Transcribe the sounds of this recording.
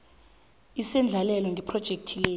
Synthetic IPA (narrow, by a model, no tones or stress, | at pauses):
isɛnd͡ɮʱalɛlɛŋɡʱipʰrɔd̥ʒ̥ʱek̚tʰileː